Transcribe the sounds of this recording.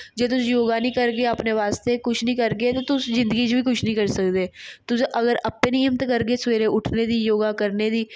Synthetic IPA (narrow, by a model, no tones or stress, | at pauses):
d͡ʒeːt̪̬ʊsjoːɡaːnĩːkəɾɡeːəpneːʋaːst̪eːkʊt͡ʃʰnəĩːkəɾɡeːt̪ot̪ʊszɪ̃nd̪əɡiːt͡ʃʋiːkʊt͡ʃʰnĩːkəɾsəkd̪eːt̪ʊseʔəɡəɾəpːẽːnĩːəmt̪ːkəɾɡeːsʋeːɾẽːʊʈʰneːd̪iːjoːɡaːkəɾneːd̪iː